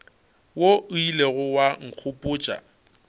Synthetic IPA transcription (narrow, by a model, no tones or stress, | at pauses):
woʔʊileɣʊwaŋ̩k͡xʰʊpʼʊːt͡ʃʼa̰